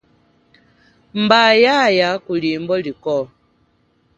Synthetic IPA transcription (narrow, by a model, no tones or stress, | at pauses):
m̩bajajakulimbɔlikɔ